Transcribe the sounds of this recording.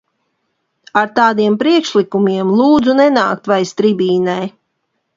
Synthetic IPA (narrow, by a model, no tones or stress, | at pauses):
aɾt̪aːd̪iɛmpɾiɛkʃlˠikumiɛmlˠuːd̪zunɛnaːk̚t̪vajst̪ɾibʲiːnɛj